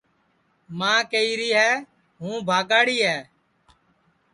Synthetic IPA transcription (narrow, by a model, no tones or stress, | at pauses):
mãːkeiːɾiːɦɛː | ɦũːbʱaːɡaːɽiːɦɛː